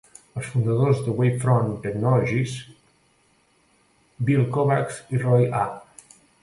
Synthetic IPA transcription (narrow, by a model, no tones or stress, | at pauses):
əlˠsfund̪əðozðəwejfɾɔnt̪əknɔlɔʒis | bilˠkɔβaksirɔja